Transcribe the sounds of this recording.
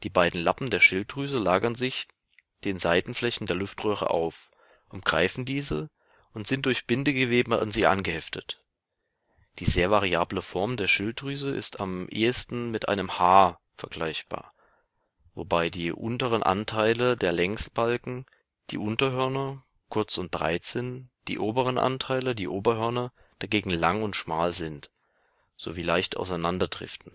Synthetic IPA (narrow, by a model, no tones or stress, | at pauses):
d̥iːbaɪdn̩lapm̩deːɐʃɪltʁyːzəlaːɡɐnzɪç | d̥eːnzaɪdn̩flɛçn̩deːɐlʊftʁøːʁə̰ʔa̰ʊf | ʔʊmɡ̥ʁa̰ɪfn̩diːzə | ʔʊntz̥ɪnt̚d̥ʊɐçb̥ɪndəɡəveːbəa̰nziːʔa̰nɡəhɛftʰət | d̥iːzeːɐvaʁiaːbləfɔɐmdeːɐʃɪltʁyːzəʔɪ̰stʰamʔḛːəstn̩mɪtʔa̰ɪnəmhaːɐ | fɛɐɡlaɪçb̥a̰ːɐ | vo̰baɪdiːʔʊntəʁ̞ənʔa̰ntʰaɪlədeːɐlɛŋstb̥alkŋ̩ | d̥ḭːʔʊntɐhœɐnɐ | kʰʊɐt͡sʊnt̚b̥ʁa̰ɪtz̥ɪntd̥ḭːʔoːbəʁ̞ənʔa̰ntʰaɪlədiːʔoːbɐhœɐnɐ | d̥aɡeːɡŋ̩laŋʊntʃmaːlzɪnt | z̥o̰ːviːlaɪçta̰ʊsaɪnandɐdʁɪ̰ftn̩